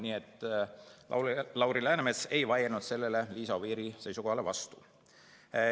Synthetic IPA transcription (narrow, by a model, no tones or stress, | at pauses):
niːet̪ːˑ | ɑ̰lɑwɾilæːnemese̞jvɑjenud̪̥se̞lːe̞le̞liːsɑviːɾise̞jsuko̞hɑle̞vɑst̪u̥